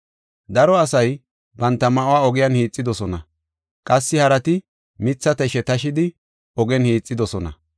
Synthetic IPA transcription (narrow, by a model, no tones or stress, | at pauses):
d̪ɐɾɔɐsɐj | bɐnt̪ːɐmɐʔʊwaːɔɡɪjɐnhiːt͡sʼːɪd̪ɔsɔnɐ | kʼɐsːɪhɐɾɐt̪ɪ | mɪt͡sːɐt̪ɛʃɛt̪ɐʃɪd̪ɪ | ɔɡɛnhiːt͡sʼːɪd̪ɔsɔnɐ̰